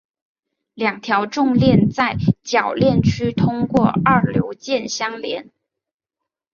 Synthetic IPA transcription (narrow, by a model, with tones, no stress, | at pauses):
ljɑ˨˩ŋt̪ʰjɑ˧˥ʊʈ͡ʂʊ˥˧ŋljɛ˥˧nt͡sa˥˩ɪt͡ɕjɑ˨˩ʊljɛ˥˩nt͡ɕʰy˥t̪ʰʊ˥ŋkwɔ˥˧ɐ˞˥˩ljo˧˥ʊt͡ɕjɛ˥˩nɕjɑ˥ŋljɛ˧˥n